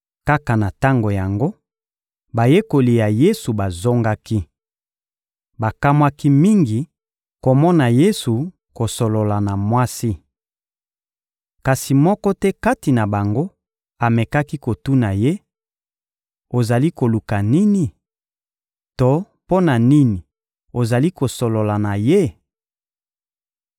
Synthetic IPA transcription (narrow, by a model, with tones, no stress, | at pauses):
ka˦ka˨na˨ta˦ŋɡo˨ja˨ŋɡo˦ | ba˨je˦ko˨li˨ja˨je˦su˨ba˨zo˦ŋɡa˦ki˦ | ba˨ka˦mwa˦ki˦mi˦ŋɡi˨ | ko˨mɔ˦na˨je˦su˨ | ko˨so˨lo˨la˨na˨mwa˦si˦ | ka˨si˨mɔ˦kɔ˦tɛ˦ka˦ti˨na˨ba˨ŋɡo˦ | a˨me˨ka˦ki˦ko˨tu˦na˨je˦ | o˨za˨li˦ko˨lu˨ka˨ni˦ni˨ | to˨ | po˦na˨ni˦ni˨ | o˨za˨li˦ko˨so˨lo˨la˨na˨je˦